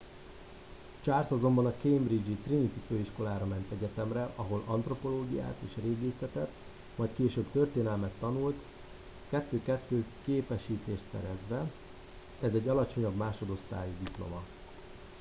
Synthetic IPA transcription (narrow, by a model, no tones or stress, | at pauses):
t͡ʃaːrsɒzo̞mbɒnɒkejmbrid͡ʒit̪rinit̪iføːiʃko̞laːɾɒmɛnt̪ɛɟɛt̪ɛmrɛʔɒɦo̞lɒnt̪ro̞po̞loːɡija̰ːt̪ḛːʃreːɡeːsɛt̪ɛt̪ | mɒjkeːʃøːbt̪ø̞rt̪eːnɛlmɛt̪ːɒnult̪ | kɛt̪ːøːkɛt̪ːøːkeːpɛʃiːt̪eːʃt̪sɛ̰ɾɛzʋɛ | ɛzɛɟːɒlɒt͡ʃo̞ɲɒbmaːʃo̞d̪o̞st̪a̰ːjid̪iplo̞̰mɒ